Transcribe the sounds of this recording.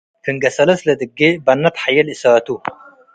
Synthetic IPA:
kʰɨŋɡɐsɐlɐslɐd̪ɨɡːebɐnːɐt̪ħajɐlisaːt̪u

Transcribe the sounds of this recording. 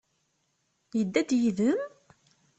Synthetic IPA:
jəd̪ːæd̪jiðəm

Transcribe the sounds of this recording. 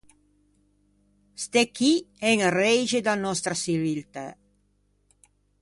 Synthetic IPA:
st̪ɛkːiɛŋrɛjʒed̪anɔst̪ɾasivilt̪a

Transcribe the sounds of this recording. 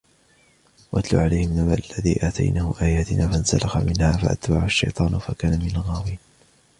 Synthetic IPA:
waʔat̪lṵːʕalajhɪmnamaːʔalːaðḭːʔaːt̪ʰa̰jnaːhʊʔaːjaːt̪ɪnʔaːfansa̰lɑxamɪnhaːfa̰ʔa̰t̪baʕaʃːa̰jt̪ˤɑːnfakaːnamɪnalɣaːwiːn

